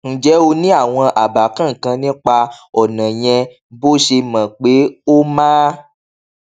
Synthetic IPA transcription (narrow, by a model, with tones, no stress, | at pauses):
n̩˦d͡ʒɛ˨˦o˧nĩ˦a˦˨w̃ɔ̃˧ʔa˨ba˨kã˦˨kã˧nĩ˦k͡pa˧ɔ˨nã˨j̃ɛ̃˧ | bo˦ʃe˧mã˨k͡pe˨˦o˦mãː˦